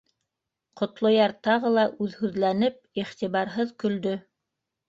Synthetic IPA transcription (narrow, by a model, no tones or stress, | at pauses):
qŏt̪lˠŏjɑɾt̪ɑʁɤlˠɑʔʉðhʉðlænɘp̚iχt̪iβɑɾɦɤðkɵ̆ld̪ɵ